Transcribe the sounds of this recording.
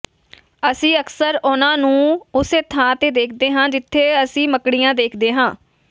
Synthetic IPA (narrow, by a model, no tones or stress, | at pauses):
əsĩːəksəɾʊnãːnũːʊseːt̪ʰãːt̪eːd̪eːkʰd̪eːɦãːd͡ʒɪt̪ʰːeːəsĩːməkɽijãːd̪eːkʰd̪eːɦãː